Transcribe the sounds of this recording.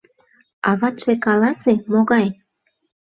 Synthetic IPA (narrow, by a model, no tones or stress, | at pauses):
ɑβɑt̪ʃekɑlɑsemoɣɑj